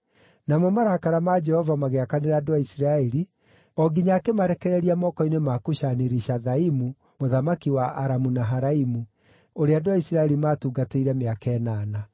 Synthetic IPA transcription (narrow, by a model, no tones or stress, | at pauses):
namomaɾakaɾamad͡ʒɛhɔvamaɣeakaneɾaːdoaisiɾaɛɾi | ɔɡiɲakemaɾɛkɛɾɛɾiamɔkɔinemakuʃaneɾiʃaðaimu | moðamakiwaʔaɾamunaɦaɾaimu | oɾeadoaisiɾaɛɾimaːtuːɡateiɾɛmeakɛnaːna